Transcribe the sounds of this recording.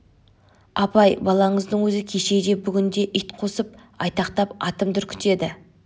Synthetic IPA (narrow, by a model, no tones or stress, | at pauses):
ɑpɑjbɑlˠɑɴəzd̪əɴwɵzɪkʲʰe̞ʃe̞d̪e̞bʏɡʲɪnd̪e̞ʔʏjt̪qʰo̞səp̚ | ɑjt̪ɑqt̪ɑpɑt̪əmt̪ʰʏɾkʲʰɪ̥t̪e̞d̪ɪ